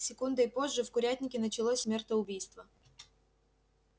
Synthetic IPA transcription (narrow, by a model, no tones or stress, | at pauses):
sʲɪkund̪əɪpo̞ʐːɨfkʊɾʲæt̪ʲnʲɪkʲɪnət͡ɕɪlˠosʲsmʲe̞rt̪əʊbʲijst̪və